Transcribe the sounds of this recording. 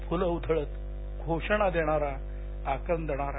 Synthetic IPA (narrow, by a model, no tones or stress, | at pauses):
fuləud̪ʱəɭət̪ | ɡʱoʂəɳ̃ad̪eɽ̃aɾa | akənd̪əɽ̃aɾa